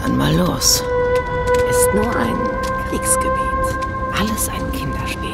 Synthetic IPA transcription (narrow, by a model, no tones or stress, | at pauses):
ʔa̰nma̰los | ʔɪstnuːɐʔa̰ɪn | kliksɡ̥əvɛːt͡s | ʔaləsʔaɪnkʰɪndɐʃpiː